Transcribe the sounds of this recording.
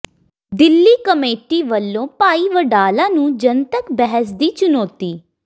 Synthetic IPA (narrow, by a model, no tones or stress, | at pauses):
d̪ɪlːiːkəmeːʈiːʋəlːõːpaːiːʋəɖaːlãːnũːd͡ʒənt̪əkbɛɦəs̬d̪iːt͡ʃʊnoːt̪iː